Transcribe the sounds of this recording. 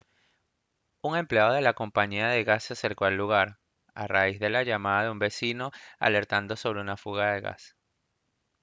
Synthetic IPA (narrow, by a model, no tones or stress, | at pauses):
uŋe̞mpleaðoðe̞lako̞mpaɲiaðe̞ɣasːease̞ɾko̞elːuɣaɾ | a̰raizðe̞laʝamaðaðeumbe̞sino̞a̰le̞ɾt̪and̪o̞so̞β̞ɾe̞unafuɣaðe̞ɣa̰s